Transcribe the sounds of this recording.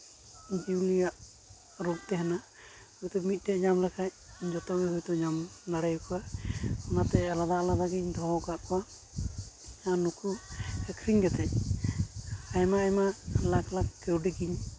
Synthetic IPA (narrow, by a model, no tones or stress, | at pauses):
d͡ʒiwlijaʔ | ɾuɡ̚t̪ɛɦɛna | hujt̪ɔmit̪̚ˀʈɛʔɲamlɛkʰaj̚ | d͡ʒɔt̪ɔbɛɦujt̪ɔɲamnaɽɛjkɔwaɔnat̪ɛalad̪aʔlabaɡiɲd̪ʱɔɔkaʔkɔwa | anukʰuɛkʰɾiɲɡɛt̪ɛ | ajmaajmalaklakːɛwɖiɡiɲ